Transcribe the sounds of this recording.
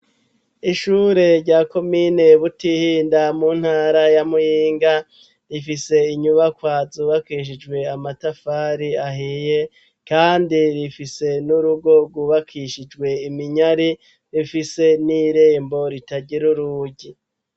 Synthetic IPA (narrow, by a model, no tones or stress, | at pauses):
iʃuɾe̞ɾɟaːko̞mine̞βutihiːndamun̥haːɾajamujiːŋɡa | ɾifise̞iɲuβakwaːzuːβakiʃ̬id͡ʒɡwe̞amatafaːɾiahije̞ | kaːndiɾifise̞nuɾuɡo̞ɡwuβakʰiʃid͡ʒɡwe̞imiɲaɾi | ɾifise̞niɾe̞ːmbo̞ɾitaɟiɾuɾuɟi